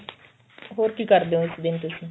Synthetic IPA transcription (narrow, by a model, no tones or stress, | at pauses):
ɦoːɾkiːkəɾd̪eõːɪsd̪ɪnt̪ʊsĩː